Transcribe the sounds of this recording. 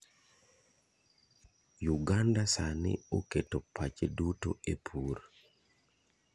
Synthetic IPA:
juɡandasanɪ̰oketopʰat͡ʃeduto̰epʰuɾ

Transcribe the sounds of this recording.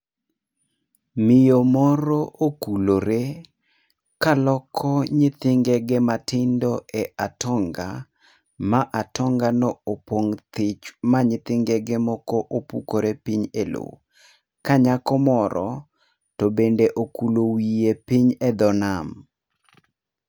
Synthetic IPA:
mɪjomɔɾɔʔokuloɾe | kalɔkʰɔɲɪt̪ɪŋɡeɡɪmatɪndɔɛʔatʰɔŋɡa̰ | maʔatʰɔŋɡanɔopwoŋt̪ɪt͡ʃmaɲɪt̪ɪŋɡeɡɪmɔkɔʔopukoɾepiɲelo̰ | kaɲakɔmɔɾɔ̰ | tɔbendeʔokulowijepiɲɛd̪ɔnam

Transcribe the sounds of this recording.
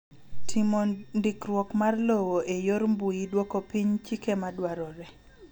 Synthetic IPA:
tʰimondɪkɾwɔkmarlowoʔejoɾmbujidwokopiɲt͡ʃikemadwaɾɔɾɛ

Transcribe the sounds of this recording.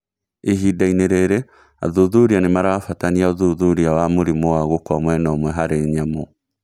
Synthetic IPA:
eɦidaineɾeɾe | a̰ðuðuɾianemaɾawafataniaoðuðuɾiawamoɾimowaɣokwamwɛnɔːmwɛɦaɾeɲamo

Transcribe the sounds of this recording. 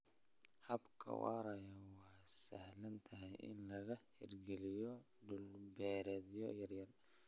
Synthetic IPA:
hɐbkʰɐ̰ṵɐɾɐjɐwɑːsɐhlɐnt̪ʰɐɦɛjʔɪ̰nlɐɣɐhɪ̰rɡɛlɪjɔ | ɖʊlbɛːɾɛːd̪jɔjɐrjɐr

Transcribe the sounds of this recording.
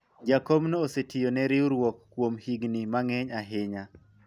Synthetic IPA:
d͡ʒakɔbnɔːsetʰɪjonɛɾɪuɾwɔkːwomhiɡnimaŋɛɲaɦɪɲa

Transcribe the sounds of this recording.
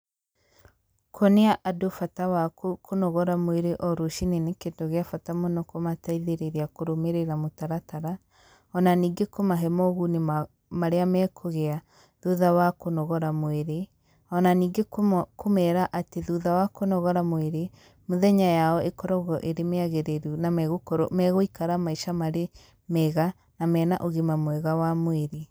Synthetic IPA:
kʰoneaʔadofatawakokonɔɣɔɾamweɾeʔɔɾoʃinenekedoɣeafatamɔnɔkomataiðeɾeɾeakoɾomeɾeɾamotaɾataɾa | ɔnaniːɡekomaɦɛmɔɣunem | maɾeamɛkʰoɣea | ðuðawakonɔɣɔɾamweɾe | ɔnaniːɡekkomɛɾaʔateðuðawakonɔɣɔɾamoweɾe | moðɛɲajaɔʔekɔɾɔɣɔʔeɾemeaɣeɾeɾunamɛɣokɔɾo̰mɛɣoikaɾamaiʃamaɾe | mɛɣa | namɛːnaʔoɣemamwɛɣawamoeɾe

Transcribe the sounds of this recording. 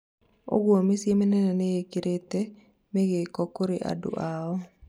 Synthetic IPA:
o̰ɡwomisjemenɛnɛnejekiɾʔet̪e | meɡekɔkoɾeʔa̰dṵʔaɔ

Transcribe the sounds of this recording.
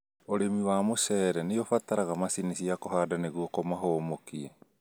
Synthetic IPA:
oɾemiwamosɛɾɛneofat̪aɾaɣamasinisiakoɦadaneɡuokomaɦoːmokie

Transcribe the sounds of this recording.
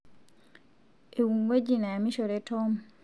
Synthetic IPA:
ewuŋɡed͡ʒinamiʃoɾetɔm

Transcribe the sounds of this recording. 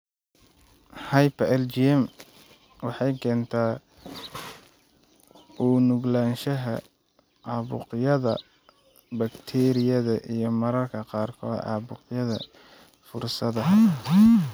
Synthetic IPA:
hɑjpʰɛlt͡ʃiɛm | wɑħɑjkʰɛːnt̪ʰaː | ʔuːnʊɡlaːnʃɐɦɐ | ɑːβʊ̰qjɐðɐ̰ | bɐkt̪ʰɛɾɪjɐðɐʔijɞmɐɾɐrkʰɐqɑːrkʰɔːd̪ʕɑ̰ːβʊqjɐðɐ | fʊrsɐðɐ

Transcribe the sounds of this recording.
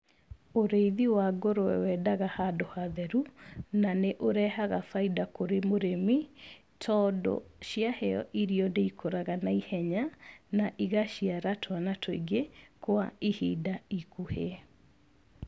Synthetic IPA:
oɾeiðiwaɡoɾowɛ̰wɛdaɣahadohaðɛɾunaneʔoɾɛhaɣafaidakoɾemoɾemi | tʰɔdɔ̰ʃiahɛɔ̰ʔiɾiɔndeikʰoɾaɣanaihɛɲanaʔiɣaɕiaɾatʰwanatʰɔiɡekwaihidaikuhe

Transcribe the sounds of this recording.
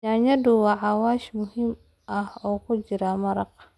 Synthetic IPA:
aːɲɐd̪ʊwɑʕɑwaːʃmʊhim | ʔɐhɔːkʰʊd͡ʒɪɾaːmɐɾɑq

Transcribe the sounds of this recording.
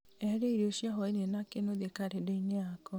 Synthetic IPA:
ɛɾeiɾeoʃjaɦɔenenakenoðekaɾedeineakɔ

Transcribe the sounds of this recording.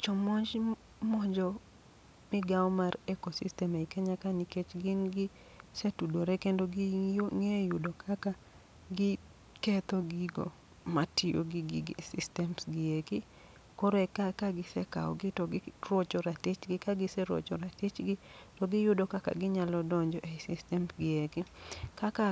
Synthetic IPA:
t͡ʃɔmɔɲd͡ʒ | mɔɲd͡ʒɔ | mɪɡawɔmarekosistɛmeikeɲakaniket͡ʃɡɪnɡɪ | setudoɾɛkendoɡɪŋejʊdɔkʰaka | ɡɪ | kɛt̪ɔɡiɡo̰ | matɪjo̰ɡɪɡɪɡḛsistɛmsɡɪekɪ | kɔɾoɛkakaɡɪsɛka̰ɔ̰ɡɪtɔɡɪrwot͡ʃɔɾatet͡ʃɡɪkaɡɪsɛɾo̰t͡ʃɔ̰ɾatit͡ʃɡɪtɔɡɪjʊdokaka̰ɡɪɲalɔdɔɲd͡ʒɔʔesistɛmsɡɪekɪkaka

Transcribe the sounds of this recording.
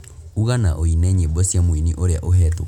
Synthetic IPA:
uɣanaʔoinɛɲebɔsjamoiniʔoɾeaʔoɦɛto̰

